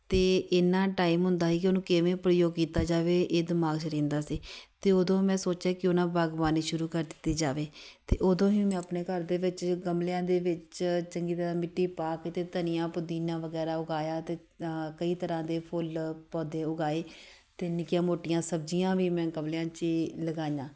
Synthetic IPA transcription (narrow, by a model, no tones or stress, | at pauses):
t̪eːɪnːãːʈaːiːmɦʊnd̪aːɦiːkɪonũːkɪʋẽːpɾəjoːɡkiːt̪aːd͡ʒaːʋeːʔeːd̪ɪmaːɡt͡ʃɾẽːnd̪aːsiːt̪eːod̪õːmɛ̃ːsoːt͡ʃaːkɪonãːbaːɡʋaːniːʃʊɾuːkəɾd̪ɪt̪ːiːd͡ʒaːʋeːt̪eːʔod̪õːɦiːmɛ̃ːəpneːkəɾd̪eːʋɪt͡ʃɡəmljãːd̪eːʋɪt͡ʃt͡ʃəŋɡiːt̪əɾãːmɪʈːiːpaːkt̪eːt̪ənɪjãːpʊd̪iːnãːʋəɡɛːɾaːʊɡaːjaːt̪eː | kəiːt̪əɾãːd̪eːpʰʊlpɔːd̪eːʊɡaːeː | t̪eːnɪkjãːmoːʈɪjãːsəb̚d͡ʒijãːʋiːmɛ̃ːɡəmlɪjãːt͡ʃiləɡaːjãː